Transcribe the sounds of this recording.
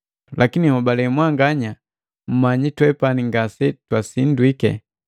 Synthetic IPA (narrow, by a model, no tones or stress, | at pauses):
lakinihabalɛmwaŋɡaɲa | m̩maɲitwɛpaniŋɡasɛtwasindwikɛ̰